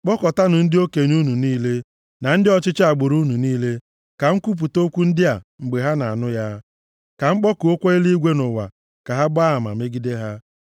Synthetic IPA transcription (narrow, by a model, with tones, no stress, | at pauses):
k͡pɔ˦kɔ˨ta˦nʊ˨n̩˦dɪ˦o˦ke˨ɲ˦u˦nu˨niː˦le˦ | na˨n̩˦dɪ˦ɔ˦t͡ʃɪ˦t͡ʃa˨ɡ͡bʊ˨ɾu˦nu˨niː˦le˦ | ka˨ŋ̩˦ku˦p̬u˨to˦kʷu˦n̩˦dɪ˦a˨ŋ͡m̩˨ɡ͡be˨ɦa˦na˨a˨nʊ˦ja˦ | ka˨ŋ͡m̩˦k͡pɔ˦ku˨o˦kʷe˦e˦li˦ɡʷe˦nʊ˨wa̰˨ | ka˨ɦa˦ba˦˨ma̰˨me˦ɡi˦de˦ɦa˦